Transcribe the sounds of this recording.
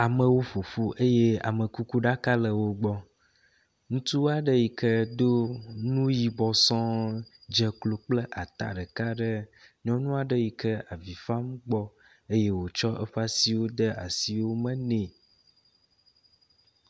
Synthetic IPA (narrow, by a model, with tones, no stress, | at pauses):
a˨mə̃˨wo˦ɸo˨fo˦ʔe˦je˦a̰˨mə̃˨ku˦ku˦ɖa˦ka˦lə˨wo˦ɡ͡bɔ˦ | ŋũ˦t̪u˦wa˦ɖə˦ji˨kə˦d̪o˦nũ˦ji˨bɔ˨sɔ̃˦d͡ʒə˨klo˨k͡plə˦ʔa˨t̪a̰˨ɖə˨ka˦ɖə˦ɲɔ̃˦nũ˦a˨ɖə˦ji˨kə˦a˨vi˨fa˦mɡ͡bɔ˦ | e˦je˦wo˨t͡ʃɔ˦ʔə˦ɸa˦si˦wo˦d̪ə˦ʔa̰˨si˨wo˦mə̃˦nẽ˨